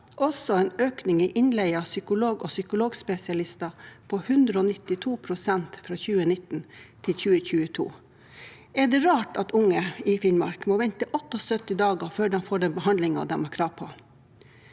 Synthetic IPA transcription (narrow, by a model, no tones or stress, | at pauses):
ʔɔsɔɛːnøːknɪŋiʔɪnlɛɪəɑsʏkʊloːɡɔsʏkʊloːɡspɛsɪɑlɪst̪ɑpʰohʉnd̪ɾəoːnɪt̪ɪt̪ʰuːpʰɾʊsɛnt̪fɾɑːçʉːənɪt̪n̩t̪ʰɪlçʉːəçʉːət̪ʰṵː | ɛɖ̪ɛɾɑːʈɑt̪ʊŋːəɪfɪnmɑ̰ɾkmoːʋɛnt̪əʔɔt̪ːɔsœt̪ɪd̪ɑːɡəføːɖɛnfoːɖɛnbəhɑnd̪lɪŋɑ̰ʋd̪ɛmʊkʰɾɑːpʰo